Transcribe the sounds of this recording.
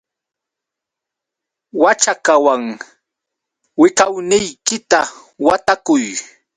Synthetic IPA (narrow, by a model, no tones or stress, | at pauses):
wat͡ʃakawaŋ | wɪkawnɪjkɪt̪a | wat̪akʊj